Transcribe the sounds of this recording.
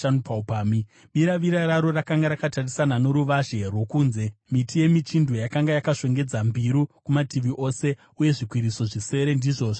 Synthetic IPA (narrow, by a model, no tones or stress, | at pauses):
anupaupaːmi | ɓiɾaʋiɾaɾaɾo̞rakaŋɡaɾakatarisanano̞ɾuʋaʒe̞rwo̞kuːnze̞mitʰije̞mit͡ʃindʱojakaŋɡajakaʂe̞ŋɡe̞d͡zambʱiɾukumatiʋiʔo̞ːse̞ | uje̞ʐikwiɾiso̞ʐise̞ɾe̞ndiːʐo̞ːʐo